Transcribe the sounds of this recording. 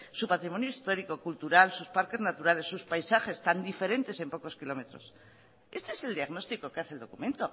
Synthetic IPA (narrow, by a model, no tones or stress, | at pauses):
supat̪ɾimo̞njoist̪o̞ɾiko̞kult̪uɾalsuspaɾke̞znat̪uɾale̞sːuspajsaχe̞st̪and̪ife̞ɾe̞nt̪e̞se̞mpo̞ko̞skilo̞me̞t̪ɾo̞̰s | e̞st̪e̞ese̞ld̪iaɣno̞st̪iko̞keaθe̞ld̪o̞̰kumẽ̞nt̪o̞